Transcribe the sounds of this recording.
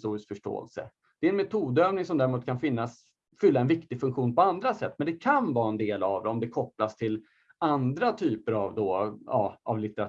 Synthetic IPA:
t̪uːɾɪskfœʂʈo̰ːɛ̰lsə̰ | d̪̥ɛɾɛnmɛt̪ʰuːd̪øːvnɪŋsɔmd̪æɾɪmuːt̪̚kʰanfɪnːas | fʏlːaɛnvɪkt̪ɪɡfɵŋkɧuːnpɔand̪ɾasɛt̪ːmɛnd̪ɛkʰanvɑːɛnd̪eːlavd̪ɛɔmd̪ɛkʰɔplast̪ʰɪl | and̪ɾat̪ʰyːpəɾavd̪oːɑːa̰vlɪt̪ɛɾa

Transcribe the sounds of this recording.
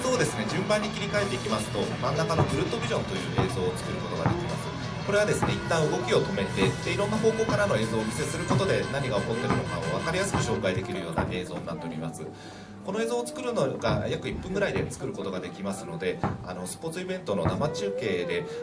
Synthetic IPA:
so̞ːd̪e̞sɨne̞ʑɨ̃mbãɲ̟ːikʲiɾʲikae̞t̪ːe̞ikʲimasɨ̥t̪o̞mãnːakano̞ɡɯ̟ɾɯ̟t̪ːo̞bʲiʑõ̞nt̪o̞jɯ̟ːeːzo̞ːt͡sɨ̥kɯ̟ɾɯ̟ko̞t̪o̞ɡa̰d̪e̞kʲimasɨ̥ | ko̞ɾe̞βad̪e̞sɨne̞it̪ːãɰ̃ɯ̟ɡo̞kʲio̞t̪o̞me̞t̪e̞t̪ːeiɾo̞nːaɦo̞ːko̞ːkaɾano̞e̞ːzo̞ːmʲise̞sɨɾɯ̟ko̞t̪o̞d̪e̞naɲ̟iɡao̞ko̞t̪ːe̞ɾɯ̟noka̰oβ̞akaɾijasɨ̥kɯ̟ɕo̞ːkaid̪e̞kʲiɾɯ̟jo̞ːna̰ʔe̞ːzo̞ːnːa̰t̪ːe̞oɾʲimasɨ | ko̞no̞eːzoːt͡sɨ̥kɯ̟ɾɯ̟no̞ɡajakɯ̟ipːɯ̃ŋɡɯɾaid̪e̞̰t͡sɨ̥kɯ̟ɾɯ̟ko̞t̪o̞ɡad̪e̞kʲimasɨno̞d̪e̞a̰no̞sɨ̥po̞ːt͡sɨibẽ̞nt̪o̞no̞̰namat͡ɕɨːke̞ːd̪e̞

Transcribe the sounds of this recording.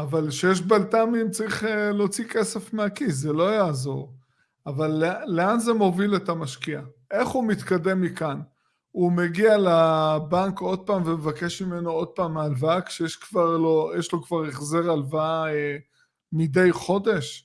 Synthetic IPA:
avalʃejeʃ̬balt̪amimt͡saʁiχelo̞t͡sike̞se̞fmeakis̬ːelo̞jaːzo̞̰ʁ | avalːeːeanzemo̞vile̞t̪amaʃkiaʔe̞χumit̪kad̪e̞mːikan | umeɡialabaŋko̞d̪̚paːmvemevakeʃmimenoo̞d̪̚paːmːalvakʃejeʃkvaʁlojeʃlo̞kv̥aʁeχze̞ʁalvae | mide̞jχo̞d̪e̞ʃ

